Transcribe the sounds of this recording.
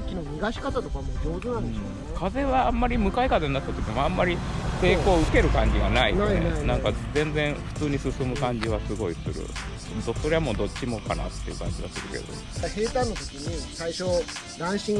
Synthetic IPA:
t͡ɕʲinoɲʲiɡaɕi̥kat̪at̪o̞kamod͡ʑoːzɨnãnd̪ | kaze̞βaːmːaɾʲimɯ̟kaikaze̞ɲnːat̪ːat̪o̞kʲimãmːaɾʲiseːko̞ːɯ̟ke̞ɾɯ̟kãɲ̟d͡ʑiɡanaḭnenãŋkazẽ̞nd͡zẽɰ̃ɸɯ̟̥t͡sɨːɲ̟isɨsɨmɯ̟kãɲ̟d͡ʑiβasɨɡo̞isɨɾɯ̰ | oso̞ɾe̞amo̞ːd̪o̞tt͡ɕːɕimo̞kana̰t̪ːe̞iɯ̟̰ːkã̰ɲ̟d͡ʑiɡasɨɾɯ̟ke̞̰d̪o̞̰ | he̞ːt̪ãnːot̪o̞kʲiɲ̟isaiɕo | ɾãɰ̃ɕĩ

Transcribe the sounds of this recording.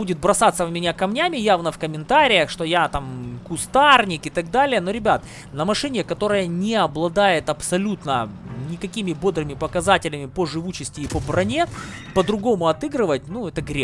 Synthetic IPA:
budʲɪt̪̚bɾɐsat̪səvmʲɪnʲakɐmnʲamʲɪjavnəfkəmʲɪnt̪aɾʲɪjəxʂt̪o̞jat̪amkʊst̪arnʲɪkɨt̪ɐɡ̚d̪alʲɪjəno̞ɾʲɪbʲat̪ | nəmɐʂɨnʲɪkɐt̪o̞ɾəjənʲɪɐblˠɐd̪ajɪt̪ɐpsɐlʲut̪nənʲɪkɐkʲimʲɪbo̞d̪ɾɨmʲɪpəkɐzatʲɪlʲɪmʲɪpəʐɨvut͡ɕɪsʲtʲɪːpəbɾɐnʲe | pəd̪ɾʊɡo̞mʊɐt̪ɨɡɾɨvət̚ʲnuɛt̪əɡɾʲe

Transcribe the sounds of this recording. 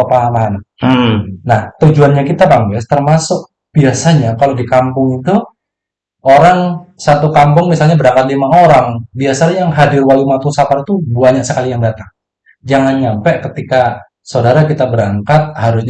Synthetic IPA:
apaːmana | naht̪ud͡ʒuanɲakit̪abaŋbɛst̪ərmasʊk̚ | b̥iasaɲakalodikampʊŋit̪u | oɾaŋsat̪ukampʊŋmisalɲabəɾaŋkat̪̚limaoɾaŋbiasajaŋɦadɪrwalimat̪usapaɾit̪ubuaɲasəkalijaŋdat̪aŋ | d͡ʒaŋanɲampɛkət̪ika | sawdaɾakit̪abəɾaŋkat̪̚haɾʊsɲ

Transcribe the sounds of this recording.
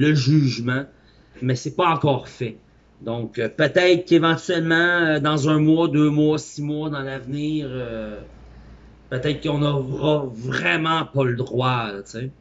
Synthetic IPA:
ləʒyːʒmã | mɛsɛpʌɑ̃kɔːʁfɛ | d̪ɔ̃kəpət̪ɛɪt̪χkevɑ̃t̪yɛlmãød̪ɑ̃zœ̃mwɔd̪øːmwɔsimwɔd̪ɑ̃lavniːʁø | pət̪ɛɪt̪χkɔ̃nɔʁʌvʁɛmãpʌləd̪ʁwat͡se

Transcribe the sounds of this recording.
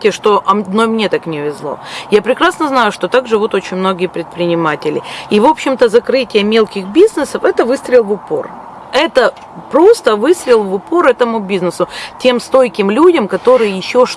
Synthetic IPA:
tʲɪʂt̪o̞ʔɐnomnʲet̪aknʲɪʊvʲɪzlˠo̞̰japɾʲɪkɾasnəznajʊʂt̪o̞t̪aɡʐɨvut̪o̞t͡ɕɪnʲmno̞ɡʲɪjəpɾʲɪt̪̚pɾʲɪnʲɪmatʲɪlʲɪ̰ivo̞pɕːɪmt̪əzɐkɾɨtʲɪjəmʲe̞lˠkʲɪxbʲiznɨsəfɛt̪əvɨst̪ɾʲɪlˠvʊpo̞̰r | ɛt̪ə | pɾo̞st̪əvɨst̪ɾʲɪlˠvʊpo̞ɾɛt̪əmʊbʲiznɨsʊtʲe̞mst̪o̞jkʲɪmlʲudʲəmkɐt̪o̞ɾɨjəjɪɕːoʂ

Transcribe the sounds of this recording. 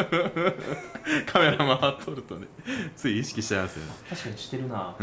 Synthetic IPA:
kʰame̞ɾamamat̪ʰːoɾɯ̟t̪o̞net͡sɨiiɕi̥kʲiɕi̥t̪amasɨ̰̃t̪aɕi̥kaɲiɕi̥t̪ːeɾɯ̟na

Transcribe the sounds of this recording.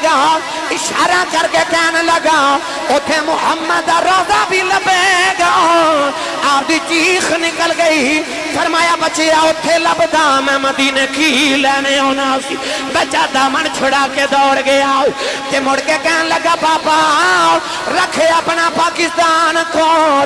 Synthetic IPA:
ɡaːo | ɪʃaːɾãːkəɾkeːkɛːnləɡaːo | ʊt̪ʰːeːmʊhəmːəd̪d̪aːɾɔːd̪aːbʱiːləbeɡaː | aːpd̪iːt͡ʃiːxnɪkəlɡəi | fəɾmaːjaːbət͡ʃʰeaːʊt̪ʰːeləbd̪aːmɛ̃ːməd̪iːneːkʰilɛːneoːnaːsiː | bət͡ʃaːd̪aːmənt͡ʃʰʊɽaːkʰed̪ɔːɽɡeaːoːt̪eːmoɽkeːkɛːnləɡaːbaːpao | ɾəkʰeəpnaːpaːkɪst̪aːnkoː

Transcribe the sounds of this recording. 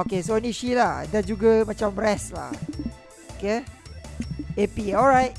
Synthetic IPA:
okesoniʃilahdad͡ʒuɡamãt͡ʃamrɛsla̰ | oke | epiɔlɹajt̚

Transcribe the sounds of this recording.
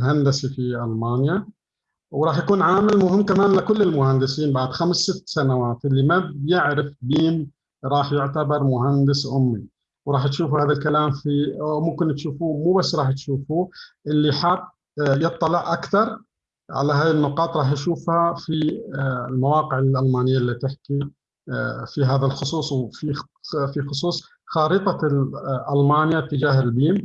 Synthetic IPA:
hand̪asifiʔalmaːnja | wɾˤɑːħjakuːnʕaːmɪlmʊhɪmːkamaːnlɪkʊlːɪlmʊhand̪ɪsiːnbaʕd̪xamsːɪt̪ːsanawaːt̪ʔɪlːimabjɪʕɾɪfbiːm | ɾˤɑːħjɪʕt̪abɑɾˤmʊhand̪ɪsʔʊmːi | wɾˤɑːħj̪ʃuːfuhaːðalkalaːmfimʊmkɪnt̪ʃuːfumuːbasːɾˤɑːħt̪ʃuːfuʔɪlːiħat̪ː | jɨt̪ˤːɑlɪʕʔakθɑɾˤ | ʕa̰laɦaːjɪnːʊqɑːt̪ˤɾˤɑːħjʃuːfhafi | lmawɑːqɪʕɪlʔalmaːnɪjːaʔlːit̪ɪħki | fiɦaːðalxʊsˤuːsˤwfi | fixʊsˤuːsˤ | xɑːɾɨt̪ˤɑʔalmɑːnjat̪ːɪd͡ʒaːhɪlbiːm

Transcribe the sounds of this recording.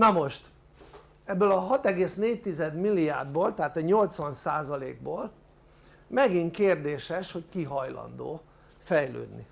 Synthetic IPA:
nɒmo̞ʃt̪ | ɛbːølɒɦɒt̪ɛɡeːsneːc̚t̪izɛd̪milːia̰rd̪boːlt̪ɛɦaːt̪ɒɲo̞lt̪sʋɒnsaːzɒlḛːɡ̚boːl | mɛɡiŋkeːrd̪eːʃɛʃho̞ckiɦɒjlɒ̰nd̪o̰ː | fɛjlø̰ːd̪nḭ

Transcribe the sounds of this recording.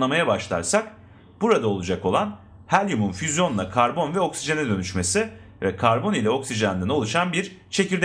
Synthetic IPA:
amajabaʃlˠa̰ɾsak | b̥uɾad̪ao̞lˠud͡ʒako̞lˠan | hælʲjumunfyzjo̞nuakʰaɾbo̞nvɛo̞ksid͡ʒenɛd̪ø̞nyʃme̞si | vɛkʰaɾbo̞nilʲɛo̞ksiʒand̪æno̞lˠuʃanbiɾt͡ʃʰe̞ciɾd̪

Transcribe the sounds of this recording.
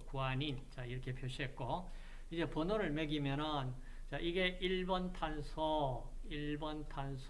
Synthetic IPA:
kuaɲint͡ɕaiɾʌkʰe̞pʰjoɕ͈ʰiɦet̚k͈o | id͡ʑe̞pʌnoɾɯɭme̞ɡimjʌnɯn | t͡ɕaʔiɡe̞ʔiɭbʌntʰansʰʌ | iɭbʌntʰansʰ

